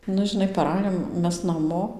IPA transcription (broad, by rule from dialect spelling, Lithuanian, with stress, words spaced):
ˈnʊ ʒʲɪˈnɐɪ pɐˈrɑːjoːm ˈmʲɛs nɐˈmoː